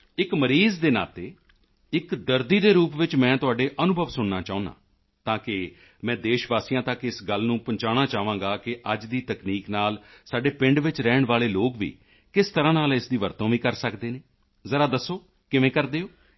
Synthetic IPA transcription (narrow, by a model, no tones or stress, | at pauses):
ɪkməɾiːzd̪eːna̰ːt̪eː | ɪkd̪əɾd̪iːd̪eːɾuːpʋɪt͡ʃmɛ̃ːt̪ʊaːɖeːʔənʊbʱəʋsʊɳnaːt͡ʃaːʊ̃nã̰ː | t̪ãːkɪ | mɛ̃ːd̪eːʃʋaːsijãːt̪əkɪsɡəlnũːpəɲt͡ʃaːɽaːt͡ʃaːʋãːŋɡaːkɪʔəd͡ʒd̪iːt̪əkniːknaːlsaːɖeːpɪ̃ɳɖʋɪt͡ʃɾɛːɳʋaːleːloːkʋḭː | kɪst̪əɾãːnaːlɪsd̪iːʋəɾt̪õːʋiːkəɾsəkd̪eːneː | zəɾaːd̪əsːoː | kɪʋẽːkəɾd̪eːoː